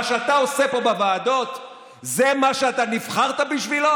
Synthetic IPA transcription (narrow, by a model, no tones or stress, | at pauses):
ʃeat̪ao̞se̞po̞bevaːd̪o̞t̪ | zemaʃeat̪anifχaʁt̪abiʃvilo